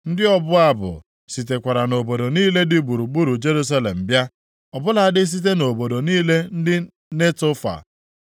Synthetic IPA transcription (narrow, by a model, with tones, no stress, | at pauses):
n̩˦dɪ˦ɔ˦bʊ˦a˦bʊ̰˨ | si˨te˨kʷa˨ɾa˨no˨bo˨do˨niː˦le˦dɪ˦bu˨ɾu˨ɡ͡bu˦ɾu˨d͡ʒe˦ɾu˦s̬a˦le˨m̩˨bja˦ | ɔ˨bʊ˦la˨˦dɪ˦s̬i˦t̬e˦no˨bo˨do˨niː˦le˦n̩˦dɪ˦ | ne˦to˦fa̰˨